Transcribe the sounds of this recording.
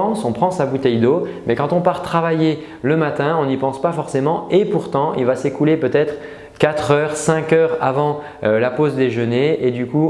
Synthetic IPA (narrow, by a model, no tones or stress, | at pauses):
ɑ̃sɔ̃pχɑ̃sabut̪ɛjd̪omɛkɑ̃t̪ɔ̃paʁt̪χavaje | ləmat̪ɛ̃ɔ̃nipɑ̃spafɔʁsemɑ̃epuʁt̪ɑ̃ḭlvasekulepøt̪ɛt̪χ | kat̪χœːʁsɛ̃kʲœːʁavɑ̃ | ølapozd̪eʒəneed̪yku